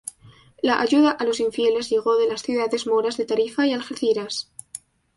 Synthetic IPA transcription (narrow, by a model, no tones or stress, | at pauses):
laʔaʝuðaʔalo̞siɱfje̞le̞zʎe̞ɣ̞o̞ðe̞lasθjuðaðe̞zmoɾazðe̞t̪aɾifaialxeɾθiɾas